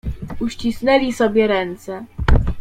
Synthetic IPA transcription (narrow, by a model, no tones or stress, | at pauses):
uɕt͡ɕisnɛlʲisɔbʲjɛɾɛnt̪sɛ